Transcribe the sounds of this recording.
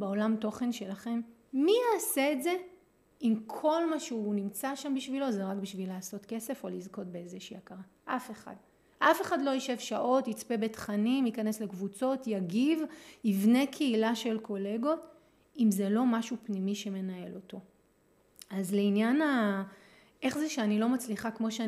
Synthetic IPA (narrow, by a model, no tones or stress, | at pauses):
beo̞lamto̞χe̞nʃe̞laχe̞mː | iaːseːtze̞ | imkʰo̞lmaʃeunimt͡saʃambiʃvilo̞zeʁakbiʃvilaːso̞tke̞se̞fo̞lizko̞t̚beezeʃiːakaʁa | ʔafe̞χa̰d | ʔafe̞χadlo̞iʃe̞vʃaʔo̞tit͡spe̞bet̪χanimikane̞sle̞kvut͡so̞tjaɡivivne̞kʰeilaʃe̞lkʰo̞le̞ɡo̞t | imze̞lo̞maʃupnimiʃe̞me̞nae̞̰lo̞to̞ | azleinjana | ʔe̞χzeʃeanilo̞mat͡sliχakmo̞ʃe